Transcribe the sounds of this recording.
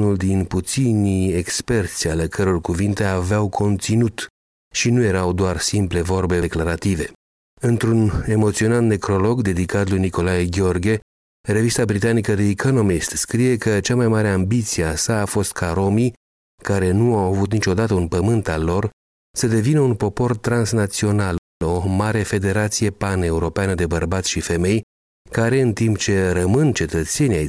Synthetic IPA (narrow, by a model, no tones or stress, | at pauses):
nuld̪input̪sinie̞kspe̞rt̪sʲjalekʰəɾo̞rkuvint̪e̞aveawkʰo̞nt̪sinut̪ | ʃinuje̞ɾawd̪oarsimple̞vo̞rbe̞klaɾat̪ive̞ | ɨnt̪ɾune̞mo̞t̪sio̞nat̪ne̞kɾo̞lo̞ɡd̪e̞d̪ikat̪lujniko̞lajeɡʲeo̞rɡe̞ | re̞vist̪abɾit̪anikəd̪e̞ːko̞no̞mist̪skɾije̞kət͡ʃamajmaɾe̞ambit̪siasaːfo̞st̪kʰaɾo̞mi | kaɾe̞nuawavut̪nit͡ʃo̞d̪at̪əunpəmɨnt̪alːo̞r | səd̪e̞vinəunpo̞po̞rt̪ɾansnat̪sio̞nal | o̞maɾe̞fe̞d̪e̞ɾat̪sije̞pane̞uɾo̞peanəd̪e̞bərbat̪sʲʃife̞me̞j | kaɾe̞ɨnt̪impt͡ʃe̞ɾəmɨnt͡ʃe̞t̪ət̪se̞niaj